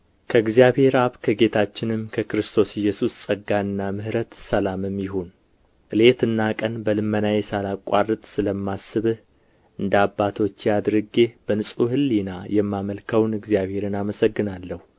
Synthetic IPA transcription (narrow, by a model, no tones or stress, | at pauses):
kʰəɨɡzijaβhe̞ɾaβkʰəɡe̞t̪ʰat͡ʃːɪnɨmkʰəkɨɾɨst̪ʰo̞sɪjɛsussʼəɡːaɨnːamɨhɾət̪səlamɨmjɪɦun | ʔɨle̞t̪ɨnːakʼənbəlɨmːənajɛsalakʼa̰rɨt̪ʼsɨləmːasːɨβɨh | ɨnd̪abːat̪ʰo̞t͡ʃːjad̪ɾɨɡe̞b̥ənɨsʼuhɨlːinajɛmːaməlkʰəwnɨɡzjaβhe̞ɾɨnaməsəɡːɨnalːəhu